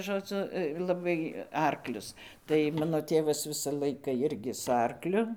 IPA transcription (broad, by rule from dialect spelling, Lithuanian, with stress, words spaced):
ʒoːˈd͡zʊ lˠɐˈbɐɪ ˈɐrklʲʊs tɐɪ ˈmɑːnoː ˈtʲeːʋɐs ˈʋʲɪsɐ ˈlˠɐɪkɐ ˈjɪrʲɡʲɪ sʊ ˈɐrklʲʊ